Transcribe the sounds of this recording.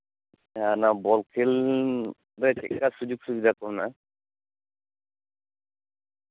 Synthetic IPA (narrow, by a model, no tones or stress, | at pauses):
anabɔlkʰil | ɾɛt͡ʃɛ̰kːasud͡ʒuk̚subid̪ʱakɔɾna